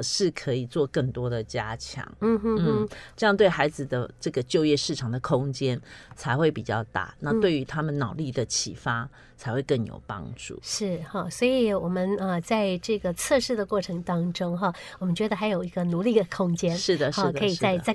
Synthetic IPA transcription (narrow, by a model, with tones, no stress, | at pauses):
ʂɻ̩˥˩kʰɤ˧˥i˨˩t͡swɔ˥˧kə˥˩ŋt̪wɔ˥d̪ə˨t͡ɕja̰˦˥t͡ɕʰjɑ̰˧˥ŋn̩˥˧˥n̩˥˧˥ʈ͡ʂɤ˥˧jɑ˥˧ŋt̪we˥˩ɪxa˧˥ɪd͡zɹ̩˨d̪ə˦ʈ͡ʂɤ˥˩ɡə˩t͡ɕjo˥˧ʊjɛ˥˧ʂɻ̩˥˩ʈ͡ʂʰɑ˨˩ŋd̪ə˩kʰʊ˦˥ŋt͡ɕjɛ˦nt͡sʰa˧˥ɪxwe˥˩ɪpi˨˩t͡ɕjɑ̰˥˧ʊt̪a̰˥˩na˥˧t̪we˥˩ɪy˧˥t̪ʰa˥mə˨nnɑ˨˩ʊli˥˩d̪ə˩t͡ɕʰḭ˨˩fa˦ | t͡sʰa˨˧ɪxwe˥˧ɪkə˥˩njo̰˨˩ʊpɑ̰˦˥ŋʈ͡ʂṵ˥˩ʂɻ̩˥˩xɑ˨˩swɔ˧˥i˨˩wɔ˨˩mə˦nə˧t͡sa˥˧ɪʈ͡ʂɤ˥˩ɡə˩t͡sʰɤ˥˧ʂɻ̩˥˩d̪ə˩kwɔ˥˩ʈ͡ʂʰɤ˧˥ŋt̪ɑ˥ŋʈ͡ʂʊ˥ŋɦɑ˧˩ | wɔ˨˩mə˦nt͡ɕɥɛ˧˥d̪ə˧xa˧ɪjo˨˩ʊi˧˥ɡə˧nu˧˥li˥˩d̪ə˩kʰʊ˥ŋt͡ɕjɛ˥nʂɻ̩˥˩d̪ə˩ʂɻ̩˥˩d̪kʰɤ˧˥i˨˩ɻa˥˧˩ɪ˩t͡sa˥˧